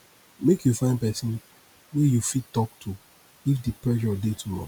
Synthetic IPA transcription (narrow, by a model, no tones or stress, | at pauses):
mekjufãɪ̃ndpɛsĩn | wejufittɔk̚tʰu | ifdipɹɛʃɔdetʰumɔ̰